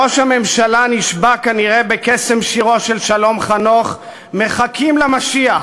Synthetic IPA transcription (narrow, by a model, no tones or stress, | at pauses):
o̞ʃhame̞mʃalaniʃbakaniʁe̞bekesemʃiʁo̞ʃelʃalo̞mχanoχ | me̞χakʰimlamaʃia